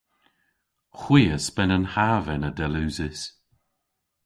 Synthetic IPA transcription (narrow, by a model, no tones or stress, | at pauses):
xwiːəsbɛnənhavɛnədɛluːzɪs